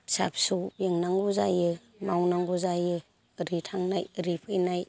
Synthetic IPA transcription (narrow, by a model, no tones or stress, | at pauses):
sa̰p̚subjeŋnaŋɡuzajɯ | mawnaŋɡuzajɯ | ɾitʰaŋnajɾipʰɯjnaj